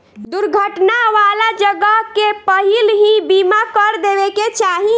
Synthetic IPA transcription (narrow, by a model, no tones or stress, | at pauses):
d̪uɾɡʱəʈnaʋaːlad͡ʒəɡəɦkepəɦilɦĩbimakəɾd̪eʋeket͡ʃaːɦĩ